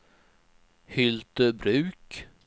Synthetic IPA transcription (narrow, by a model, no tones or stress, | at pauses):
hʏlt̪əbɾʉ̟ːk